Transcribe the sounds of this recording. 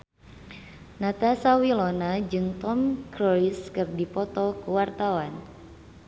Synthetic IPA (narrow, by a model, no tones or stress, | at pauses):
nat̪asawilɔnad͡ʒɨŋt̪ɔmkɾɔiskɨrdipɔt̪ɔkəwart̪awan